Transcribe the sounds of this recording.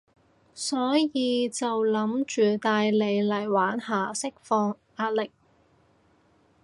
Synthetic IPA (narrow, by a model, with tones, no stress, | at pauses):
sɔː˨˥jiː˨˧t͡sɐ˨wlɐ˨˥mt͡ʃyː˨t̪aː˧jle˨˧jlɐ˨˩jwaː˨˥nhaː˨˩sɪ˥k̚fɔː˧ŋ | aː˧t̚lɪ˨k̚